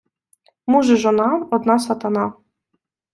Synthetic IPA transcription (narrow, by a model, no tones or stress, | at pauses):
muʐɨʒɔnaɔd̪nasat̪ana